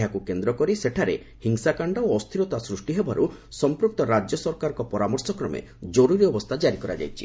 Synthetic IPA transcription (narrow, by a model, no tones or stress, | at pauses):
ɦakukend̪ɾɔkɔɾiseʈʰaɾḛ | hiŋsakaɳɖɔoɔst̪ʰiɾɔt̪asɾusʈiɦebaɾusɔmpɾuk̚t̪ɔɾad͡ʒjɔsɔɾkaɾɔkɔpɔɾamɔɾsɔkɾɔmḛ | d͡ʒɔɾuɾiɔbɔst̪ʰad͡ʒaɾikɔɾa̰d͡ʒa̰jt͡ʃʰi̥̰